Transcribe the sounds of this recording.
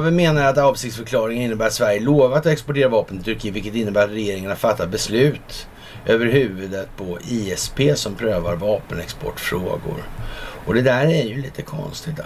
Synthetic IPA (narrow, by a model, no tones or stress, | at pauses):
vɪmeːnaɾat̪ɑːvsɪkt̪sfœɾkʰlɑːɾɪŋənɪnːəbæːɾat̪svæɾjəloːvat̪ɔɛkspɔʈeːɾavɑːpənɪt̪ʰɵɾkʰiːvɪlkət̪ɪnːəbæːɾat̪ɾɛjeːɾɪŋanafat̪ʰːabɛslʉ̟ːt̪ | ʔøːvəɾɦʉ̟ːvɵd̪ət̪̚pʰɔʔiːɛspʰeːsɔmpʰɾøːvaɾvɑːpənɛkspɔ̰ʈːfɾo̰ːɡʊ̰ɾɔd̪ɛd̪æɾæɾjɵliːt̪əkʰɔ̰nst̪ɪt̪